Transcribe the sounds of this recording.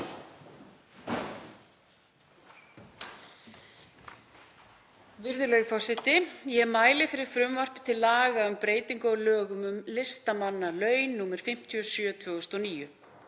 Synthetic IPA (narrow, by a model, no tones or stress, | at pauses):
vɪɾðʏlœːɥɣfawsɪt̪ɪjɛmaːjlɪfɪɾɪɾ̥fɾʏmvar̥pɪ̥t̪ʰɪlːaːɣaʏmpɾeːjt̪iŋkɔɣlœːɣʏmʏmlɪst̪amanːalœːɥnːuːmɪɾ̥fɪm̥t̪ʰiɔsjœːt̪ʰvœɣʏst̪ɔniːjʏ